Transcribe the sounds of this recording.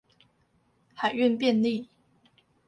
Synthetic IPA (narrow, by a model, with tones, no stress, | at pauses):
xa˨˩ɪy˥˨npjɛ˥˧˨nli˥˨